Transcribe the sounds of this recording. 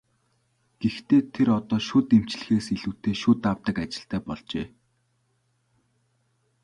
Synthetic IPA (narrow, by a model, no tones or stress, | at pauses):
ɡ̥ext̪ʰeːt̪ʰeɾɔt̪ɔːʃʊːt̪em̥t͡ɕɮɘ̆xeːseɮuːt̪ʰeːʃʊːt̪awt̪ə̆kat͡ɕɪ̥̆ɬt̪ʰæːpɔɮt͡ɕḛː